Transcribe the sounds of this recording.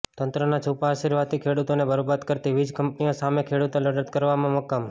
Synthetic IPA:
t̪ənt̪ɾənat͡ʃʰupaːʃiɾʋad̪t̪ikʰeɽut̪onebəɾobat̪kəɾt̪iʋid͡ʒkəmpnijosamekʰeɽut̪oləɽət̪kəɾʋamãmɔkːam

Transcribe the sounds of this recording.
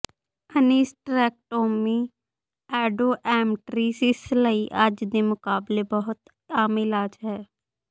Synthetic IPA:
əniːsʈɾɛːk̚ʈoːmi | ɛːɖoːʔɛːmʈɾiːsɪsləiʔad͡ʒd̪emʊkaːblebɐɦʊt̪ | aːmɪlaːd͡ʒɦɛː

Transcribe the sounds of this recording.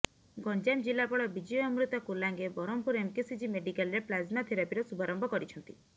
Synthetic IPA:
ɡɔnd͡ʒamd͡ʒilapɔɽɔbid͡ʒiɔɔmɾut̪ɔkulaŋɡebɔɾɔmpuɾemkesid͡ʒimeɖikalɾeplazmat̪ʰiɾapiɾɔsubaɾɔmbʱɔkɔɾit͡ʃʰɔnt̪i

